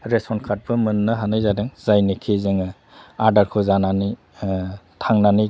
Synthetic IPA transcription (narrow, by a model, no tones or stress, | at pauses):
ɾesɔnkʰat̚bɯmɯnːɐɦanajzadɯŋz̥ajnikʰizɯŋɯ | aɾdaɾkʰɯzanani | tʰaŋnani